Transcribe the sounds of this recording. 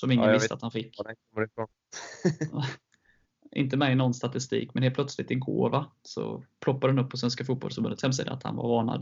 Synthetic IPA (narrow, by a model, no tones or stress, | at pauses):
sɔmɪŋəvɪst̪a̰t̪hanfɪkːɛkɔəɾɪfɾon | ʔɪ̰nt̪əmɛnɔnːst̪at̪ɪst̪ḭːkmɛneːt̪̚pʰlœt̪slɪt̪ːɪɡo̰ːvasɔ̰pʰlɔpːad̪əhanɵpʰːɔs̬vɛns̬kafuːt̪̚bɔ̰lsɔmbə̰nət̪hɛms̬ḭːd̪a̰a̰t̪ha̰nva̰ɾvɑːɳa̰d̪